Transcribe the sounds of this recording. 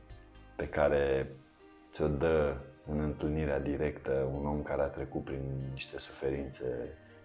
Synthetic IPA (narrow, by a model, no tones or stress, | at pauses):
pe̞kaɾe̞ | t̪sʲo̞d̪əɨnɨnt̪ɨlniɾead̪iɾe̞kt̪əuno̞mkaɾeat̪ɾe̞kut̪̚pɾinːiʃt̪e̞su̥fe̞ɾint̪se̞